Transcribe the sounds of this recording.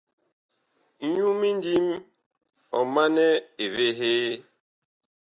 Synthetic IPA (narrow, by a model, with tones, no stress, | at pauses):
n̩˦ɲu˦mi˦n˦di˦m | ɔ̰˨ma˦nɛ˦e˨ve˦ɦeː˦